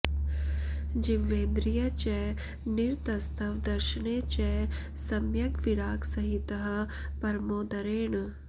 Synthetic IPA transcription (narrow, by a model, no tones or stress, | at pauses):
d͡ʒiʋːeːnd̪ɾijɐt͡ʃɛ | niɾt̪ɐst̪ɐʋd̪ɐɾʃneːt͡ʃɛ | sɐmjɐɡʋiɽaːksɐɦit̪ɐɦ̆ | pɐɾmoːd̪ɐɾeːɳ